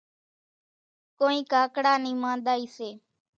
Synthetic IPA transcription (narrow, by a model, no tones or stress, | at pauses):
koːĩːkaːkɽaːnĩːmãːnd̪aːiːseː